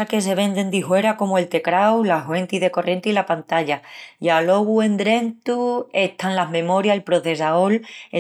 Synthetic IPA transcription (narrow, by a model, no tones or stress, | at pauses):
ake̞s̬e̞βe̞nd̪e̞nd̪iɦwe̞ɾako̞moe̞lt̪e̞kɾawlaɦwe̞nt̪iðe̞ko̞rje̞nt̪ilapant̪aʎaialo̞ɣue̞nd̪ɾe̞nt̪ue̞ht̪anlaɦmẽ̞mo̞ɾjaelpɾo̞θe̞s̬aole